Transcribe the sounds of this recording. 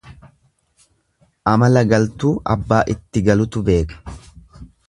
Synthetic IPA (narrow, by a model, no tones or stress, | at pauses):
ʔɐmɐlɐɡɐlt̪uːʔɐbːaːʔɪt̪ːɪɡɐlʊt̪ʊbe̞ːkɐ̥